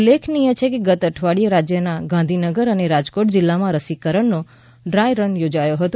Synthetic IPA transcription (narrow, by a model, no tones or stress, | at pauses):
lːekʰnijə̃t͡ʃʰekeɡət̪əʈʰʋaɽijəɾad͡ʒjənaɡãnd̪ʱinəɡəɾəneɾad͡ʒkoʈd͡ʒɪlːamãɾəsikəɾəɳno | ɖɾajɾənjod͡ʒajoɦət̪õ